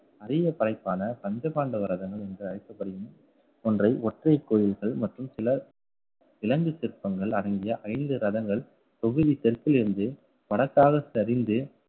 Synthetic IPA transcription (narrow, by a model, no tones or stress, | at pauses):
ɐɾɪjɐpɐɾɐɪpːaːnɐpɐɲd͡ʒɐpaːɳɖɯʋɐɾɐðɐŋɡɐɭɛndrɯɐɾɪk̪ːɐpːɐɽɪjɯm | ɔndrɐɪʔɔʈrɐɪkːoːjɪlɣɐɭmɐʈrɯmsɪlɐ | ɪlɐŋɡɯt͡ʃɪɾpːɐŋɡɐɭɐɽɐŋɡɪjɐʔɐjɪnd̪ɯɾɐðɐŋɡɐɭ | p̪ɔɣɯðit̪ɛrpɪlɪɾɯnd̪ɯ | ʋɐɽɐkːaːɣɐsɐɾɪnd̪ɯ